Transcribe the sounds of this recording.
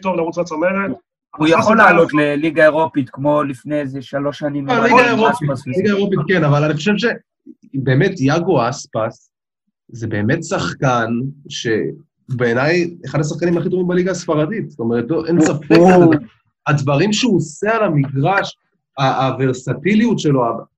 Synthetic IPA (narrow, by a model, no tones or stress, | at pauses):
t̪ovlaʁut͡sat͡someχe | ujaolːaːlot̪leliɡaeʁopit̪kmo̞lifnejezeʃalo̞ʃanimaliɡaeʁopiasliɡaeʁo̞pit̪̚kenavalaniχoʃevʃe | be̞ːme̞tjaɡo̞aspas | ze̞be̞ːme̞tsaχkanʃe̞̰ | ube̞ːnajeχadas̬aχkanimaχit̪̬ovimbaliɡasfaʁadit̪zt̪o̞meʁet̪lo̞ʔenssafeka | advaʁimʃeusealamiɡʁaʃ | aːveʁsatiliutʃelo̞aba